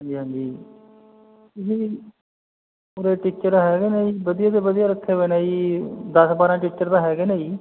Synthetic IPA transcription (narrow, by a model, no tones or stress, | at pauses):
ɦãːɲd͡ʒiːɦãːd͡ʒiː | t̪ʊsiː | ʊɾeːʈɪkt͡ʃəɾɦɛːɡeːnaːiːbəd̪ijãːt̪eːbəd̪ijaːɾək̪ʰːeːbenaːiːd̪əsbaːɾãːʈɪkt͡ʃəɾt̪ãːɦɛːɡeːneːiː